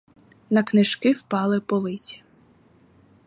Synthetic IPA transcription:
nɐknɪʃkɪwpɑlˠɪpɔlˠɪt͡sʲi̥

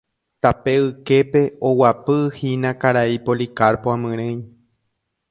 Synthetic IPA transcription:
t̪ape̞ɨke̞pe̞owapɨhĩnãkaɾaipolikaɾpoãmɨ̃ɾ̃ẽj̃

